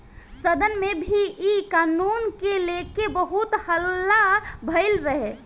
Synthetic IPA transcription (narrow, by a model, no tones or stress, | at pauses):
səd̪ənmebʱiikanuːnkelekebəɦut̪həlːabʱəɪlɾəɦe